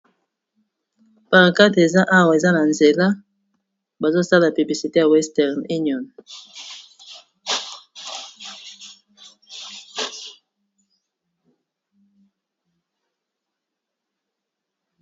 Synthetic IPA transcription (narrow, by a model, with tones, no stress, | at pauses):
pa˨ʁa˨ka˦ti˨e˨za˦ʔa˦˨wa˨e˨za˦na˨nze˨la˦ | ba˨zo˦sa˦la˨py˨bli˨si˨te˦ja˨wɛ˦stɛ˨ʁni˦niɔ˨n